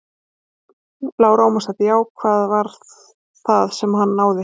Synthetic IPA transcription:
laːwɾawmasat̪jaːwkʰvaːðvaɾθ | θaðsɛmɦanːaːwðɪ

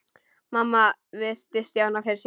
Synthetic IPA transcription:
mamːavɪr̥t̪ɪst̪jaːwnafɪɾɪ̥s

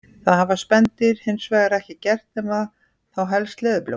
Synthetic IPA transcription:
θaðhavaspɛnt̪ɪɾ̥hɪnsvɛːɣaɾɛhcɪcɛr̥t̪ɛma | θawɦɛlst̪lɛːðʏplḛ

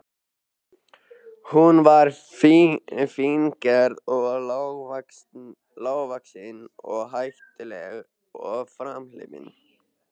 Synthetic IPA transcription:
hunvaɾ | fiŋkɛɾðɔɣ | laːwɣvaksɪnɔɣɦajft̪ɪlɛɣ | ɔɣfɾamlɪ̰vɪ̰n

